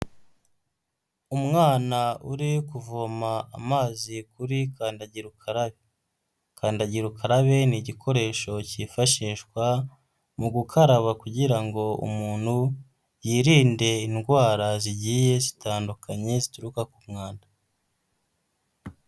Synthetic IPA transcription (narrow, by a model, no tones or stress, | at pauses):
umŋaːnauɾikuvoma̰ːmaːzikuɾikaːndaɟiɾukʰaɾaβe | kʰaːndaɟiɾukʰaɾaβe̞niɟikʰo̞ɾe̞ːʃo̞cifaʃiːʃkwa | muɡukʰaɾaβakuɟiɾaŋɡo̞ṵmuːn̥hu | jiːɾiːnde̞inɡwaːɾaziɟiːje̞zitʰaːndukʰaɲe̞zituɾukakumŋaːndḁ